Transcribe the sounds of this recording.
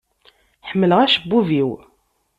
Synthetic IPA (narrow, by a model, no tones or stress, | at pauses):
ħəmːələʁæʃəbːuviw